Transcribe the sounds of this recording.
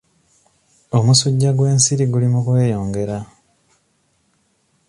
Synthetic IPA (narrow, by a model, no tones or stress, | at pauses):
o̞musuɟːaɡwe̞ːnsiɾiɡulimukwe̞ːjo̞ːŋɡe̞ɾa